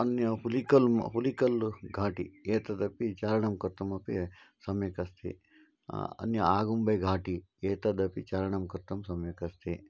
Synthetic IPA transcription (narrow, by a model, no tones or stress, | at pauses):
ɐnjɐhulikɐlmɦulikɐlɡʱaːʈḭeːt̪ɐd̪ɐpit͡ʃaːɾɐɳɐmkɐɾt̪ʰɐmɐpi | sɐmjɐkɐst̪ʰḭ | ɐ̰njɐaːɡumbɐjɡʱaːʈi | eːt̪ɐd̪ɐpit͡ʃaːɾɐɳɐmkɐɾt̪ʰɐmsɐmjɐkɐst̪ʰi